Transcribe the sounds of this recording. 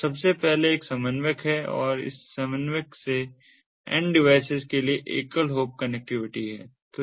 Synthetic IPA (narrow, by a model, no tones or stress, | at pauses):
sɐbsepɛɦleeːksɐmənʋəkɦɛɔ̰ːɾɪ̰sːɐmənʋəkse | ɛ̰̃ɳɖɖɪʋaːɪsɪzkelieʔḛːkəlɦoːp̚kɐnɛk̚ʈɪʋɪʈiɦɛːt̪o